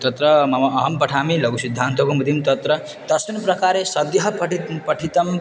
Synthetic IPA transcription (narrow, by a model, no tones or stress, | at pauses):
t̪ʌt̪ɾʌmɐmʌɦʌmpɐʈʰamilʌɡusid̪ʱːant̪okomud̪ʱimt̪ʌt̪ɾʌ | t̪ʌsminprɐkaɾesʌd̪jɐɦʌpʈpʌʈʰit̪ʌm